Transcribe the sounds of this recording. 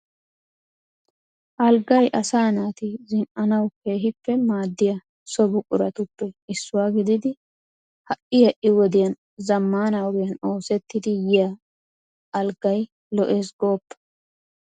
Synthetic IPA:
ʔɐlɡɐjʔɐsaːnaːt̪ɪzɪnʔɐnɐwke̞ːɦɪpːɛmaːd̪ːɪjɐ | sɔbʊkʼʊɾɐt̪ʊpːɛɪsːʊwaːɡɪd̪ɪd̪ɪ | hɐʔɪjɛʔɪwɔd̪ɪjɐn | zɐmːaːnɐwɡɪjɐno̞ːsɛt̪ːɪd̪ɪjɪja | ʔɐlɡɐj | lɔʔe̞ːsɡoːpːɐ̥

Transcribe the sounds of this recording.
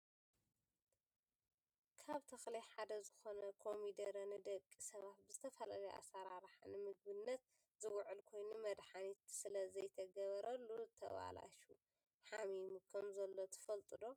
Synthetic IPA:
kʰaβt̪ʰɐxlɐjħad̪ɐzɨxo̞nɐkʰo̞mid̪ɐɾɐnɨd̪ɐkʼːisɐβat̪̚bɨzɨt̪ʰɐfɐla̰lɐʔa̰sɐɾaɾħa̰nɨmɨɡ̚bɨnːɐt̪̚ | zɨwʕɨlkʰo̞jnumɐd̪ħanit̪sɨlɐzɐjt̪ʰɐɡɐβɐɾɐlːut̪ʰɐ̰βa̰la̰ʃu | ħamimukʰɐmzɐlːo̞t̪ʰɐ̥fɐlt̪ʼɨd̪o̞

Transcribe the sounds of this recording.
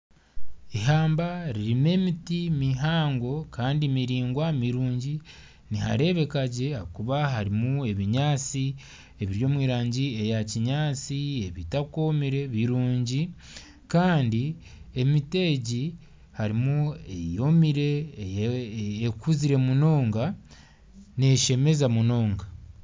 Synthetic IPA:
iɦaːmbaɾiɾime̞ːmitimiɦaːŋɡo̞kaːndimiɾiːŋɡwamiɾuːɲɟi | niha̰ɾe̞βe̞kaɟe̞akuβaɦaɾimue̞βiɲaːt͡si | e̞βiɾjo̞ːmwiːɾaːɲɟie̞jaciɲaːt͡sieβitako̞miɾe̞βiɾuːɲɟi | kaːndi | e̞mite̞ɟi | haɾimue̞jo̞miɾe̞ | ekuziɾe̞muno̞ːŋɡa | ne̞ʃe̞me̞zamuno̞ːŋɡa

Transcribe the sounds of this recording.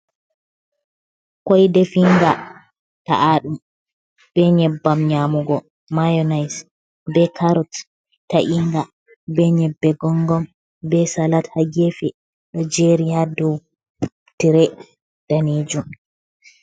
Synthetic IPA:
kɔjdefiŋɡa | ta̰ʔaɗum | b̥ɛɲɛbːamɲamuɡɔ | majɔnajs | bɛkaɾɔt | taʔiŋɡa | bɛɲɛbːɛɡɔŋɡɔm | bɛsalathaɡefɛ | ɗɔd͡ʒeɾijadɔw | tiɾɛ | d̥aned͡ʒum

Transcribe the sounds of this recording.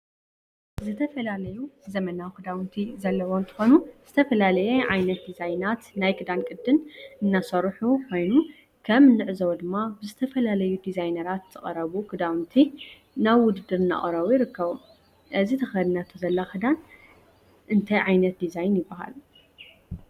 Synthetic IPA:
zɨt̪ʰɐfɐlalɐjuzɐmɐnawkʰɨd̪awnt̪ʰizɐlːɐwoɨnt̪ʰɨ̥xo̞nuz̥ɨt̪ʰɐfɐlalɐjɛʕajnɐt̪̚d̪izajnat̪najkʰɨd̪ankʼɨd̪ːɨnʔɨnːasɐɾħukʰo̞jnu | kʰɐmɨnːɨʕɨzɐwd̪ɨmːabɨzɨt̪ʰɐfɐlalɐjud̪izajnɐɾat̪z̥ɨχʼɐɾɐβukʰɨd̪awnt̪ʰi | naβwʊd̪ɨd̪ːɨɾɨna̰χʼɐɾɐwujɪɾɨkːɐβu | ʔɨzit̪ʰɐxɐd̪ɨnat̪ʰɐzɐlːaxɨd̪an | ʔɨnt̪ʰajʕajnɐt̪̚d̪izajnjɪbːɐɦa̰l

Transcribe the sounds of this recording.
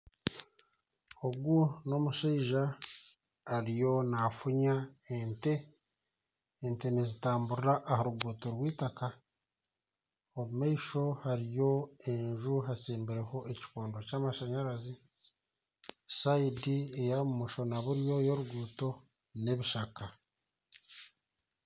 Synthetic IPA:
oɡuno̞muʃeiʒaː | ɾijo̞nafuɲaente̞ | nte̞nezitaːmbuɾiɾaʔːhaɾuɡuːto̞ɾwiːtaka | oβumaiʃo̞haɾijo̞e̞ɲʒuɦasiːmbiɾe̞ho̞ʔeci̥koːndocaːmaʃaɲaɾazi | saidiejamumuʃo̞naβuɾjo̞jo̞ɾuɡuːto̞ | ne̞βiʃaka

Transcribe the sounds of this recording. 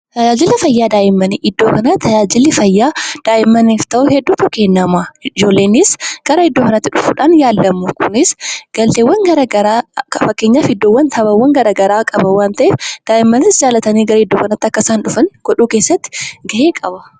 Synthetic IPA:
t̪ɐd͡ʒaːd͡ʒɪlːɪfɐjːaːd̪aːʔɪmːɐniʔɪd̪ːoːkɐnɐt̪ʰɐd͡ʒaːd͡ʒɪlːɪfɐjːaːd̪̥aːʔɪmːɐniːft̪ɐʔuhɛd̪ːuːt̪ʊkeːnːɐmad͡ʒo̞ːlːeːnɪsɡ̥ɐɾɐɪd̪ːo̞ːkɐnɐt̪ːɪᶑʊfuːᶑaːnjaːlːɐmʊkʰʊnɪsɡ̥ɐlt̪eːwːɐŋɡɐɾɐɡɐɾaːkɐfɐkːe̞ːɲːaːfhɪd̪ːoːwːɐnt̪ʰɐβɐwːɐŋɡɐɾɐɡɐɾaːkʼɐbɐwaːnt̪ɐʔeːfd̪̥aːʔɪmːɐnɪsd͡ʒaːlɐt̪ɐniːɡɐɾɐhɪd̪ːoːkɐnɐt̪ːɐkːɐsaːnᶑʊfɐnɡ̥ɔᶑuːke̞ːsːɐt̪ːɪ̥ɡɐʔeːkʼɐbɐ

